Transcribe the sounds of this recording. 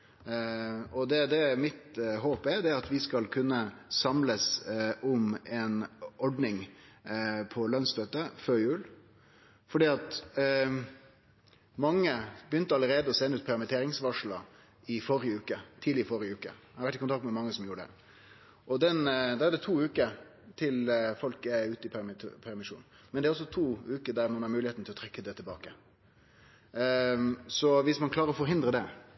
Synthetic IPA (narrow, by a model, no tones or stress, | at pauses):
ɔd̪ɛd̪ɛmɪt̪ɦoːpɛɾd̪ɛɾɑt̪ʋɪskɑlkʰʉnːəsɑmləsʔɔmɛnʔɔɖnɪŋ | pʰɔlœnst̪øːt̪əføːɾjʉːl | fɔɖiːɑt̪ | mɑŋːəbəjʏnt̪əɑlːəɾeːd̪əɔsɛnːəʉːt̪pʰæɾmət̪ʰeːɾɪŋsʋɑʂlɑ | ɪfɔɾɪəʉːkət̪ʰiːd̪lɪəfɔɾɪəʉːkə̰ | hɑɾʋæʈːɪkʊnt̪ɑkt̪mɛmɑŋːəsɔmjuːɾəɖɛ̰ | ʔɔd̪ɛnd̪ɛʋæd̪ɛt̪ʰuːʉːkə | t̪ʰɪlfɔlkɛʉːt̪əɪp̪ʰpʰæɾmɪʂṵːn | mɛnd̪ɛæɾɔs̬ːɔt̪ʰuːʉːkəd̪æɾmɑnhɑɾmʉːlɪhet̪n̩t̪ɪlɔt̪ʰɾɛkːəd̪ɛt̪ʰɪlbɑ̰ːkə | sɔʋɪsmɑnkʰlɑːɾəɾɔfɔɾɦɪnd̪ɾəd̪ɛ